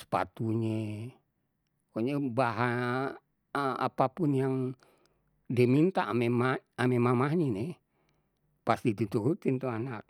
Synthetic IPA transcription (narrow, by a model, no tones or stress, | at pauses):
sə̥pa̰t̪uɲe | koɲebaɦa | a̰papunjaŋ | diamint̪amemaamemamaɦɲenɛ | past̪it̪ut̪uɦut̪int̪uanak̚